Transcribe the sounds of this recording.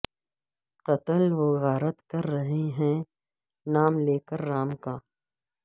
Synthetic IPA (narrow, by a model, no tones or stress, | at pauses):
qɐt̪əlʋoːɣaːɾət̪kɐɾːɐɦeɦɛ̃ | naːmleːkəɾːaːmkaː